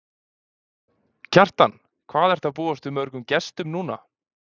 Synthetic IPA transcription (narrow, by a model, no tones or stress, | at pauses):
cʰar̥t̪an | kʰvaːðɛɾ̥t̪ʰaðpuːast̪ʏmœɾkʏmcɛst̪ʏmnuːna̰